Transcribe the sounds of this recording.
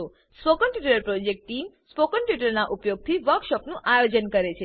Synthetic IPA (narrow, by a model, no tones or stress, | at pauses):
o | spokəɳʈiʈəɾəɾpɾod͡ʒek̚ʈːimspokəɳʈiʈ̬əɾnaʔupjoɡ̚t̪ʰiʋəɾkʃɔpnũʔajod͡ʒənkəɾet͡ʃʰe